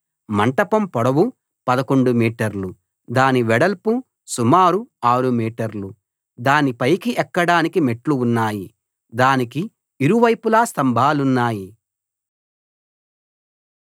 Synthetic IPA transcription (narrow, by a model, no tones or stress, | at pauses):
mɐɳʈɐpɐmpɔɽɐwu | pɐd̪ɐko̞ɳɖumiːʈɐɾlu | d̪aːniʋɛɽɐlpu | sumaːɾuaːɾumiːʈɐɾlu | d̪aːnipɐjkiʔɛkːɐɽaːnikime̞ʈluːnːaːji | d̪aːniki | iɾuʋɐjpulaːst̪ɐmbʱaːlunːaːji